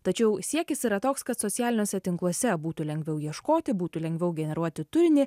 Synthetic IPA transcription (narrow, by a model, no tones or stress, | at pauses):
t̪ɐt͡ʃʲɛʊsʲiɛkʲɪsiːɾɐt̪oːkskɐt̪sɔt̪sʲjæːlʲɪnʲoːsʲɛt̪ʲɪŋklˠɔsʲɛbuːt̪uːlʲɛŋɡʲʋʲɛʊjiɛʃkoːt̪ʲɪbuːt̪uːlʲɛŋʲɡʲʋʲɛʊɡʲɛnʲɛɾuɔt̪ʲɪt̪ʊɾʲnʲɪ